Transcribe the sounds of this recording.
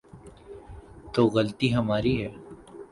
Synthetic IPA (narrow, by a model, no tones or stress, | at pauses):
t̪oːɣɐlt̪iɦɐmaːɾiɦɛː